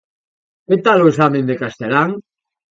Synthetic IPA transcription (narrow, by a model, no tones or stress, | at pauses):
ket̪aloesamẽnd̪ekast̪elaŋ